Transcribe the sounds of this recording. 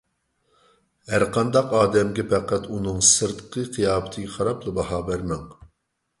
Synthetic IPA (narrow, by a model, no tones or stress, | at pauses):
hæɾqɑnd̪ɑqɑːd̪ɛmɡʲɛpʰæqæt̪unɨŋsɨɾt̪qʰɨqʰijɑːbɨt̪ʰɨɡʲɛχɑɾɑplˠɨbɑhɑːbæɾmɛŋ